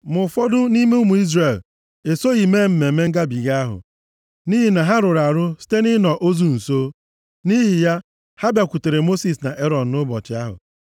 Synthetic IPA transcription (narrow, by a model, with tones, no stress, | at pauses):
mʊ˨fɔ˦dʊ˦ni˦me˦u˦mu˨i˦zre˨l | e˨so˦i˨me˦m̩˨me˨me˦ŋ̩˦ɡa˦bi˨ɡa˦ɦʊ̰˨ | ni˦ɦi˨na˨ɦa˦ɾʊ˨ɾa˨ɾʊ˦si̥˦te˦nɪ˦nɔ˨ʔo˦zu˦n̩˨soː˦ | ni˦ɦi˨ja˦ | ha˦bja˨kʷu˨te˨ɾe˨mo˦si˨sna˨ʔe˦ɾɔ˨n̩˨nʊ˦bɔ˨t͡ʃɪ˨a˦ɦʊ̰˨